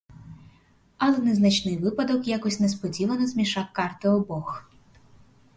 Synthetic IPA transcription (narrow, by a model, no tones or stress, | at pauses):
ɐlˠɛnɛznɐt͡ʃnɪjʋɪpɐd̪ɔkjakɔsʲnespɔdʲiʋɐnɔzmʲiʃɑkːɑrt̪ɪɔbɔx